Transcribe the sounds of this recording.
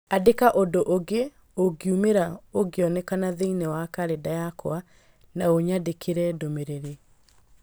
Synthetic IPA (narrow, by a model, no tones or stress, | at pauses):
adekaʔodoʔoɡe | oɡeumeɾaoɡeɔnɛkanaðeinɛwakaɾedajakɔwa | naoɲadekʰeɾɛdomeɾeɾe